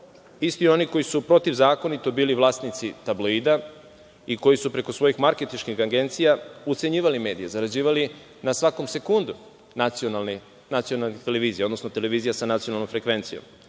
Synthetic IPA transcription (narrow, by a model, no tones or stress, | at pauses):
ist̪io̞niko̞jisupɾo̞t̪iʋzaːko̞nit̪o̞biːliʋlˠaːst̪nit̪sit̪abloid̪a | iko̞jisupɾe̞ko̞sʋo̞jixmaɾket̪iʃkixaɡe̞nt̪sijaut̪se̞ɲiːʋalime̞ːd̪ijezaɾad͡ʑiːʋali | nasʋako̞mse̞kund̪u | nat̪sionalni | nat̪sio̞nalˠnit̪e̞le̞ʋiːzijaod̪no̞sno̞t̪e̞le̞ʋiːzijasanat̪sijonalno̞mfɾe̞kʋe̞nt̪sijo̰m